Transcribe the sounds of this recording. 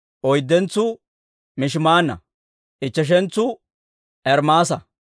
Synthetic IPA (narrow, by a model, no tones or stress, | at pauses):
ʔɔjd̪ːɛnt͡sːʊ | mɪʃ̬maːnːɐ̰ | ʔɪt͡ʃːɛʃ̬ɛnt͡sːʊ | ʔɛɾmaːs̬ɐ